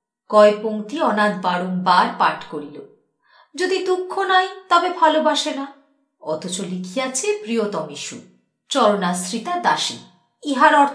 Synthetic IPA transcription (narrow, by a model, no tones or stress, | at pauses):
kɔepoŋt̪iɔnad̪baɽumbaɾpaʈkoɾilo | d͡ʑod̪id̪ukʰːonajt̪ɔbebʱalobaʃena | ɔ̰t̪ʰot͡ɕolikʰijat͡ɕʰepɾijot̪ɔmiʃṵ | t͡ɕɔɾonasɾit̪ad̪aʃḭ | iɦaɾɔɾt̪